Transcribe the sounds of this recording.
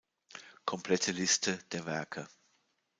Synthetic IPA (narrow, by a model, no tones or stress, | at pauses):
kʰɔmpʰl̥ɛtʰəlɪstʰəd̥eːɐvɛɐkʰə